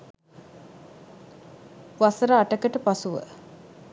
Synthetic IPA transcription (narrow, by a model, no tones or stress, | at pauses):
ʋasəɾəaʈəkəʈəpasuʋə̰